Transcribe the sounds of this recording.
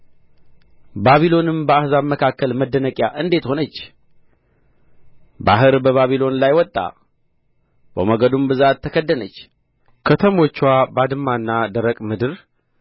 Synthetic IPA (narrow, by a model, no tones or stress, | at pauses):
baβilo̞nɨmbəahzaβməkʰakːəlməd̪ːənəkʼjaʔɨnd̪e̞t̪ho̞nət͡ʃː | ba̰ɦɨɾbəβaβilo̞nlajwɔt̪ʼːa̰ | bə̰məɡəd̪umbɨzat̪ʰːəkʰəd̪ːənət͡ʃː | kʰət̪ʰəmo̞t͡ʃːwabad̪ɨmːanːad̪əɾəkʼmɨd̪ɨɾ